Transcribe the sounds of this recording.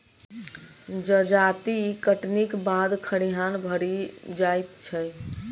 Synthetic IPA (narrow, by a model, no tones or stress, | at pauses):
d͡ʒəd͡ʒat̪ikəʈnikbad̪kʰəɽiɦanbʱəɽid͡ʒajt̪t͡ʃʰə